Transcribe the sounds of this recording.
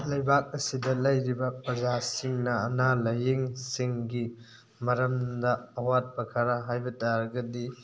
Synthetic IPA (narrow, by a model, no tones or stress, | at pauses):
lɐjbak̚ɐsidɐlɐjɾibɐpɾɐzasiŋnɐːnalɐjeŋsiŋɡi | mɐɾɐmdɐːwat̚bɐkʰaɾɐɦajbɐtaɾɐɡɐdi